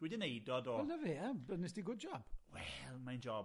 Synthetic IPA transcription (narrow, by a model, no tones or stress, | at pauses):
dwidənejdɔdɔlˠnəveabənɪsdiɡʊd̚d͡ʒɔb̥wɛlˠmajnd͡ʒɔb